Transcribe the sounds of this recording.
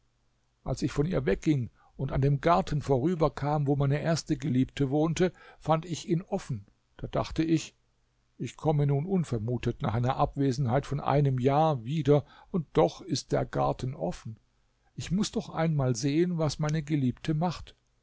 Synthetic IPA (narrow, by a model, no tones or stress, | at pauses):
ʔa̰lsɪçfɔniːɐvɛk̚ɡ̥ɪŋ | ʊntandeːmɡaɐtʰn̩foːʁ̞yːbɐkʰaːmvoːmaɪnəʔeːɐstəɡəliːp̚tʰəvoːntəfantɪçiːnʔɔfn̩ | d̥aːd̥a̰χtəɪç | ʔɪçkʰɔmənuːnʔʊnfɛɐmuːtətna̰ːχʔaɪnɐʔapv̥eːzn̩haɪtfɔnʔa̰ɪnəmjaːɐviːdɐʊnt̚d̥ɔχɪst̚d̥ḛːɐɡa̰ɐtn̩ʔɔ̰fn̩ | ʔɪçmʊsd̥ɔχʔa̰ɪnmaːlzeːənvasmaɪnəɡəliːptʰəmaχt